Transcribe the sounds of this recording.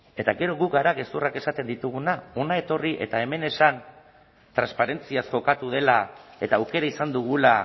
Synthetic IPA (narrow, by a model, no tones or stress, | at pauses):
e̞t̪aɣe̞ɾo̞ɣukɡaɾake̞st̪urake̞sat̪e̞nd̪it̪uɣ̞unao̞nae̞t̪o̞riʔe̞t̪ae̞me̞ne̞san | t̪ɾanspaɾe̞nt͡siasʝo̞kat̪uð̞e̞lae̞t̪aːwke̞ɾaisand̪uɣ̞ula